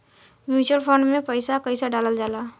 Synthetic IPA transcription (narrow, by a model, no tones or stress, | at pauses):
mjuːt͡ʃəlpʰə̃ɳɖmẽpəɪsakəɪsaɖaːləld͡ʒaːlaː